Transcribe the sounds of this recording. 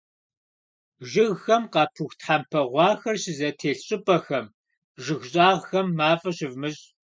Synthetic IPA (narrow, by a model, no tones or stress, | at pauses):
ʒɪɣxɐmqɑːpʰɨxʷtħampʰɐʁʷɑːxɐrɕɪzɐtʰeːɬɕʼɪpʼɐxɐm | ʒɨɣɕʼaːʁxɐmːaːfʼɐɕɪvmɨɕʼ